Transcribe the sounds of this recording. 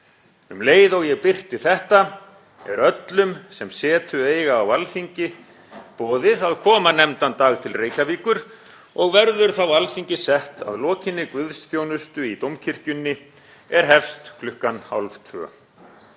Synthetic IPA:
ʏmleːjðɔwjɛɣpɪr̥t̪ɪθɛht̪a | ɛ̰ɾœt̪lʏmsɛmsɛːt̪ʏeːjɣaːwalfiɲcɪ | pɔːðɪðaðkʰɔːmanɛmt̪ant̪aːɣt̪ʰɪlreːjkaviːkʏɾ̥ | ɔɣvɛɾðʏɾ̥θawalfiɲcɪsɛht̪a̰ðlɔːcɪnːɪkvʏðsθjoːwnʏst̪ʏit̪owmcʰɪr̥cʏnːɪ | ɛɾ̥ɦɛfst̪kʰlʏhkanha̰wlvt̪ʰvœ̰ː

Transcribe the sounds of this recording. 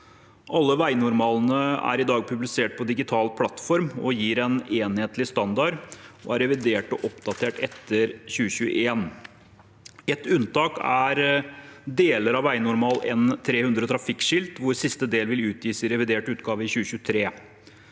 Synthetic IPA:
ʔɑlːəʋæɪnʊɾmɑːln̩əæ̰ɾɪd̪ɑːɡ̚pʰʉblɪseːʈ̚pʰɔd̪ɪɡɪt̪ʰɑːlpʰlɑt̪fɔɾmɔjiːɾɛneːnheːt̪lɪst̪ɑnd̪ɑɾɔ̰æɾɛʋɪd̪eːʈɔʔɔpd̪ɑt̪ʰeːʈɛt̪ːəɾçʉːəɕʉːə̰ʔeːn | ɛt̪ʉnt̪ɑːkæɾ | d̪eːləɾɑʋæɪnʊɾmɑːlɛ̰nt̪ʰɾeːhʉnd̪ɾət̪ʰɾɑfɪkʂɪlt̪ʋʊɾsɪst̪əd̪eːlʋɪlʉːt̪jiːsɪɾɛʋɪd̪eːʈʉːt̪ɡɑːʋəɪçʉːɕʉːət̪ʰɾeː

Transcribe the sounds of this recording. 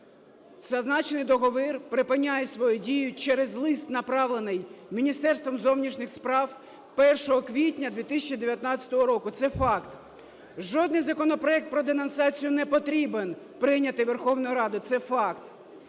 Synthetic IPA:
z̥ɐznɑt͡ʃnɪjd̪ɔɦɔʋɪrpɾɪpɪnʲːajɛsʋɔjudʲijʊt͡ʃɛɾezlˠɪst̪nɐpɾɑʋlˠenɪjmʲinʲist̪ɛrst̪ʋɔmzɔwnʲiʃnɪxspɾɑw | pɛrʃɔɦɔkʋʲitʲnʲɐd̪ʋʲit̪ɪsʲɛt͡ʃid̪eʋʲjɐt̪nɑt͡sʲɐ̥t̪ɔɦɔɾɔkʊt̪sɛfɑkt̪ | ʒɔd̪nɪjzɐkɔnɔpɾɔɛk̚t̪̚pɾɔd̪enɐnsɑt͡sʲijʊnɛpɔt̪ɾʲiben | pɾɪnʲɐt̪ɪʋerxɔwnɔjʊɾɑd̪ʊt̪sɛfɑkt̪

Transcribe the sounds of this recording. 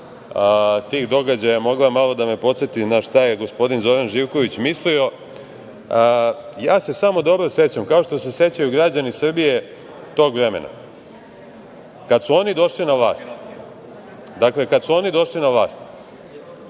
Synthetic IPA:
t̪iːxd̪o̞ɡad͡ʑajamo̞ɡlˠamalo̞d̪ame̞po̞t̪set̪inaʃt̪ajeɡo̞spo̞d̪inzo̞ɾanʒiʋko̞ʋit͡ɕmislio̞ | jaːse̞samo̞d̪o̞bɾose̞t͡ɕamkao̞ʃt̪o̞se̞se̞t͡ɕajuɡɾad͡ʑanisr̩bije̞ | t̪o̞ːɡʋɾe̞mḛna̰ | kad̪suo̞nid̪o̞ʃlinaʋlˠaːst̪ | d̪akle̞kad̪suo̞nid̪o̞ʃlinaʋlaːst̪

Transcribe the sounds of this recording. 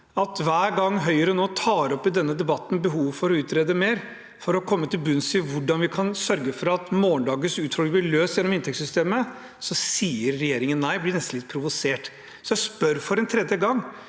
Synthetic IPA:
ɑt̪ʋæːɾɡɑŋːɦœʏəɾɔnoːt̪ʰɑːɾɔpːɪd̪ɛnːəd̪ɛbɑt̪ːn̩bəɦuːʋfɔɾɔʉːt̪ɾeːd̪əmeːɾ | fɔɾɔkʰɔmːət̪ɪlbʉnsɪʋʊɖɑnʋɪkʰɑnsœɾɡəfɔɾɑt̪moːnd̪ɑːɡəsʉːt̪fɔlɡəblɪɭøːsjɛnːɔmɪnt̪ʰɛksʏst̪eːmə | sɔsiːəɾːɛjeːɾɪŋənːæɪblɪnɛst̪n̩ɪt̪̚pʰɾʊʋʊseːʈ | sɔjæɪspœɾfɔɾɛnt̪ʰɾɛd̪jəɡɑŋː

